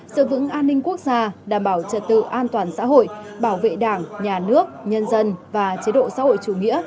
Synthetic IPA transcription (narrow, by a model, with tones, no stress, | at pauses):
sɨ̰˧˨vɨ̰˧˥əŋʔaː˧nːï˧ŋ̟ku˦˥ək̚zaː˧ɗaː˨˩mɓaː˧˩wt͡ɕə˨˩t̚t̪ɨ̰˧˨ʔaː˧nt̪waː˨˩nsa̰ː˧˥ɦo̰˧˨j | ɓaː˧˩wvḛ˧˨ɗaː˧˩ŋɲaː˨˩nɨ˦˥ək̚ɲə˧nzə˧nvaː˨˩t͡ɕi˨˦ɗo̰˧˨sa̰ː˧˥ho̰˧˨jt͡ɕu˧˨˩ŋḭ˧˥ə